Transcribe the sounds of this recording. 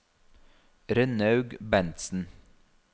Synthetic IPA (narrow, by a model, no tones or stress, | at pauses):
ɾœnɑʉɡbɛnt̪sn̩